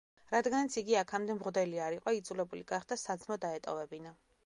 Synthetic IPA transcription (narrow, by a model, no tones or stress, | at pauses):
ɾad̪ɡanat̪sʰiɡiakʰamd̪ɛmʁd̪ɛliaɾiqʼɔid̪zulɛbuliɡaχd̪asad̪zmɔd̪aɛt̪ʼɔ̰vɛbina